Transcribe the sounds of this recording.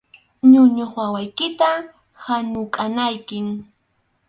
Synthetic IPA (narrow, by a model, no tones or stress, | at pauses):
ɲʊɲoχwawajkɪt̪a | hanʊkʼanajkɪŋ